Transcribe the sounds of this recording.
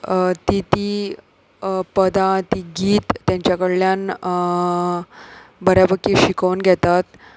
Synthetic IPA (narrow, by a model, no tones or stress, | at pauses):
t̪it̪iː | pəd̪at̪iɡiːt̪ːjãɲt͡ɕjakəɽljan | bəɾjabəkiːɕikəwnɡʱɛt̪at̪